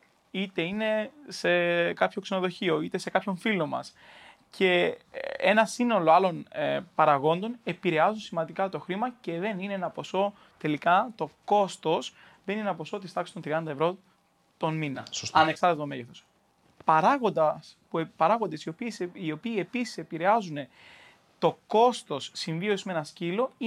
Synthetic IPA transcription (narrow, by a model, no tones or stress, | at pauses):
it̪e̞ine̞se̞kɐpço̞kse̞no̞ðo̞çio̞it̪e̞se̞kɐpço̞ɱfilo̞mɐ̰scʰe̞ | e̞nɐsino̞lo̞ɐlo̞nepɐɾɐɣo̞nd̪o̞ne̞piɾe̞ɐzunsimɐnd̪ikɐt̪o̞xɾimɐce̞ðe̞nineenɐpo̞so̞ | t̪e̞likɐt̪o̞ko̞st̪o̞s | ðe̞ninenɐpo̞so̞t̪ist̪ɐksi̥t̪ot̪ɾiɐnd̪ɐevɾo̞ | t̪o̞nminɐ̰ɐne̞ksɐɾt̪et̪ome̞ʝeθo̞s | pɐɾɐɣod̪ɐspupɐɾɐɣo̞nd̪esopiio̞piːe̞pisi̥se̞piɾe̞ɐzune̞ | t̪o̞ko̞st̪o̞sːiɱviosiszmee̞nɐscilo̞i